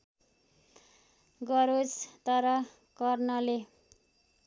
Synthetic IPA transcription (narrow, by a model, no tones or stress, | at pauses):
ɡʌɾot͡st̪ʌɾʌ | kʌrnʌle